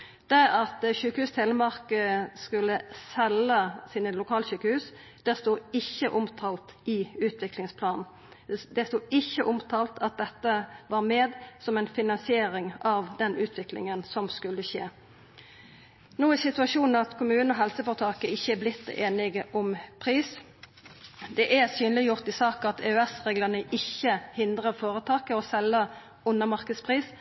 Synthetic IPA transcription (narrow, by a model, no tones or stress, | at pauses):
d̪̥æɑt̪ɕʉːkəhʉːst̪ʰeləmɑʁkəskʉlːəsɛləsiːnəlʊkʰɑːləɕyːkəhʉːs | d̪̥ɛst̪uːɪçːəʔʊmt̪ʰɑːlt̪ɪʉːt̪ʰʋɪklɪŋspʰlɑːnn̩ | d̪ɛst̪uːɪçːəʔʊmt̪ʰɑːlt̪ʰɑt̪̚d̪ɛt̪ːəʋɑːʁmeːd̪sɔmɛnfɪnɑnsɪeːɾɪŋɑʋd̪ɛnʉːt̪ʰʋɪklɪ̰ŋənsɔmskʉlːəɕḛː | nuːæsɪt̪ʉɑʂuːnn̩ɑt̪kʰʊmʉːnɔɦɛlsəfɔːʁt̪ʰɑːkəɪçːəæblɪt̪ːeːnɪɡəʔɔmpʰʁiːs | d̪ɛʔæsyːnlɪjʊʁt̪ɪsɑːkɑt̪ʰeøɛsʁeːɡlənəʔɪçːəhɪnd̪ʁəfoːɾət̪ʰɑːkəɔsɛlːə | ʊnːəmɑʁkəd̪spʰʁiːs